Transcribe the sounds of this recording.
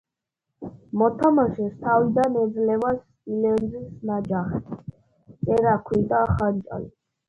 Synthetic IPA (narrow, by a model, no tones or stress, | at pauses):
mɔt̪ʰamaʃɛst̪ʰavid̪anɛd̪zlɛvasʼ | ilɛnzisnad͡ʒaχɛ | sʼɛɾakʰwid̪ʼaχant͡ʃʼa̰lḭ